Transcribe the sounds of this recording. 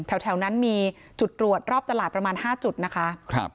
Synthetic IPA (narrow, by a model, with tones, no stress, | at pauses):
t̪ʰɛ˨˩˦wt̪ʰɛ˨˩˦wna˦˥nmiː˧ | t͡ɕu˨˩t̪̚ɾu˨˩ət̪̚ɾɔː˥˩p̚t̪a˧laː˨˩t̪̚pɾa˧maː˧nhaː˥˩t͡ɕu˨˩t̪̚na˦˥kʰa˦˥ʔkʰɾa̰˦p̚